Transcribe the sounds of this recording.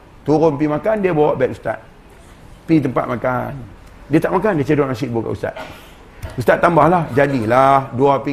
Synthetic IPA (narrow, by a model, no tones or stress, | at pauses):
t̪uɾʊnp̬imakandiəbawaʔbɛt̚ust̪a̰t̪̚ | pit̪̬əmpa̰t̪̚maka̰n | diət̪aʔmakandiət͡ʃədanasiʔbuka̰ʔṵst̪a̰t̪̚ | ust̪at̪ːambahlahd͡ʒadilahduapi